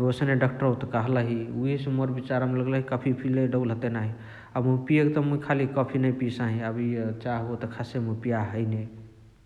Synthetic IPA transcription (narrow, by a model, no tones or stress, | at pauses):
osəneɖɔk̚ʈəɾot̪kəɦləɦiuɦisemoɾbit͡ʃaɾameləɡləɦikəpʰipʰileɖəlɦət̪enaɦi | amupijekt̪əmuikʰalikəpʰinəjpisaɦĩəbʱit͡ʃaɦot̪əkʰasemupijaɦəjne